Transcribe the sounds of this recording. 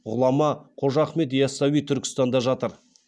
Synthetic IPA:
ʁʊlˠɑmɑqʰo̞ʒɑχme̞t̪jɑsɑwijt̪ʰʏɾkʲɪ̥st̪ɑnd̪ɑʒɑt̪əɾ

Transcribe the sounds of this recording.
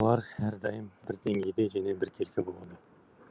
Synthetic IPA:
lˠɑɾhæɾd̪ɑjəmbɪɾd̪e̞ŋɡʲejd̪e̞ʒæne̞bɪɾkʲʰe̞lkʲʰebolˠʁɑd̪ə

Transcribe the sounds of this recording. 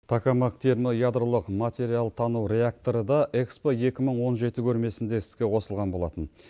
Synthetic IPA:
t̪ʰakamɑkt̪ʰelmojad̪ɾolˠəqmat̪ʲe̞ɾijalˠt̪ʰɑnuwɾʲe̞ak̚t̪o̞ɾəd̪ɑʔe̞kspoje̞kʲɪməɴwo̞nʒe̞t̪ɪkʲʰɵɾme̞sɪnd̪e̞sɪ̥zɡʲe̞qʰo̞səlˠʁɑnbo̞lˠɑ̰t̪ən

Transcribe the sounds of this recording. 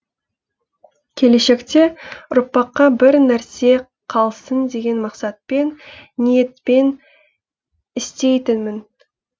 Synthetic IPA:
kʲʰe̞le̞ʃe̞kt̪e̞ʊɾpːɑqːɑbɪɾnæɾse̞ | qʰɑlˠsənd̪e̞ɡʲe̞nmɑqsɑt̪̚pe̞nnije̞t̪pe̞n | ɪst̪e̞jt̪ɪnmɪn

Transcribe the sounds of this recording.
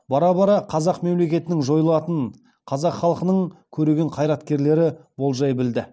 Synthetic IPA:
bɑɾɑbɑɾɑqʰɑzɑqme̞mle̞kʲe̞t̪ɪnɪŋʒo̞jəlˠɑt̪ən | qʰɑzɑqχɑlˠəqənəɴkʲʰɵɾeɡʲeɴqʰɑjɾɑt̪kʲe̞ɾle̞ɾɪbo̞lˠʒɑjbɪld̪ɪ

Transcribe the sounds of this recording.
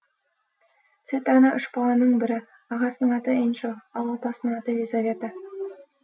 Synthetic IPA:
t̪sɨt̪ɑnɑʔʏʃbɑlˠɑnəɴbɪɾɪ | ɑʁɑsənəɴɑt̪əenʃoɑlˠɑpɑsənəɴɑt̪ədʲezavʲet̪a

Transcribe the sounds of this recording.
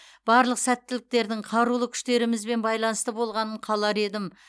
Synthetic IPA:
b̥ɑɾlˠəqsæt̪ːɪlɪk̚t̪e̞ɾd̪ɪɴqʰɑɾulˠəkʲʰʏ̥ʃt̪e̞ɾɪmɪzbe̞nbɑjlˠɑnəst̪əbo̞lˠʁɑnəɴqʰɑlˠɑɾe̞d̪ɪm

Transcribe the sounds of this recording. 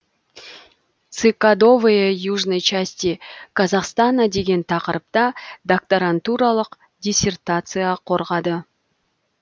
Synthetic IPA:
t̪sɨkad̪o̞vɨjejuʐnəjt͡ʃasʲt̪ʲikʰɑzɑqst̪ɑnɑd̪e̞ɡʲe̞nt̪ʰɑqəɾəp̚t̪ɑd̪ak̚t̪aɾant̪uɾɑlˠəq | dʲisʲe̞rt̪at̪sɨjɑqʰo̞ɾʁɑd̪ə

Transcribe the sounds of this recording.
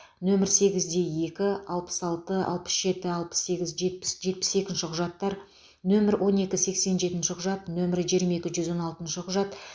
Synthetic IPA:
nɵmɪɾse̞ɡʲɪzd̪e̞je̞kʲɪɑlˠpə̥sɑlˠt̪əɑ̰lˠpə̥sʒ̥e̞t̪ɪɑlˠpə̥sːe̞ɡʲɪzʒe̞t̪̚pɪ̥sʒe̞t̪̚pɪ̥se̞kʲɪnʃɪqʰʊʒɑt̪ːɑɾ | nɵmɪɾwʔo̞ne̞kʲɪse̞kse̞nʒe̞t̪ɪnʃɪqʰʊʒɑt̪nɵmɪɾɪʒijɾmɑe̞kʲɪʒʏzwo̞nɑlˠt̪ənʃɪqʰʊʒɑt̪

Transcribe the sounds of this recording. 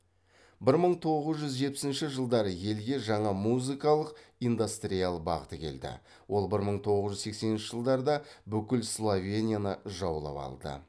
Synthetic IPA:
bɪɾməɴt̪ʰo̞ʁəzʒʏzʒe̞t̪̚pɪ̥sɪnʃɪʒəlˠd̪ɑɾəje̞lɡʲe̞ʒɑɴɑmuzikɑlˠəqijnd̪ust̪ɾijalˠbɑ̰ʁət̪əkʲʰe̞̰ld̪ɪ̰ | wʔo̞lˠbɪɾməɴt̪ʰo̞ʁəzʒʏzse̞kse̞nɪnʃɪʒəlˠd̪ɑɾd̪ɑbʏkʲɪlslˠovʲenʲijanəʒɑwlˠɑ̰pɑ̰lˠd̪ə̰

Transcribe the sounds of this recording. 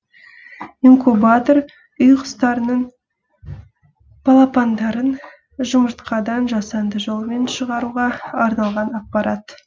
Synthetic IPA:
iŋkubat̪o̞ɾ | ʊjqʰə̥st̪ɑɾənəɴ | pʰɑlˠɑpɑnd̪ɑɾən | ʒʊməɾt̪qɑd̪ɑnʒɑsɑnd̪əʒo̞lˠəme̞nʃəʁɑɾuʁɑɑɾnɑlˠʁɑnɑq̚pɑɾɑt̪

